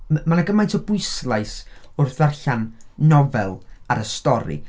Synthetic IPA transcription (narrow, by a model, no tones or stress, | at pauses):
manaɡəmajntʰɔbʊɨslˠajsʊrθvarɬanːɔvɛlˠaɾəstɔɾḭ